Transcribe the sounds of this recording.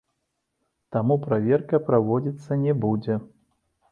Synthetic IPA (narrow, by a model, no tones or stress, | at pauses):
t̪amupɾavʲɛrkɐpɾavɔd͡zʲit̪sːɐnʲɛbud͡zʲɛ